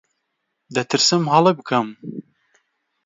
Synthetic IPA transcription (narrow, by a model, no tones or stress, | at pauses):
d̪ɐt̪ʰɨɾsɨmhɐlˠɨbɨkʰɐm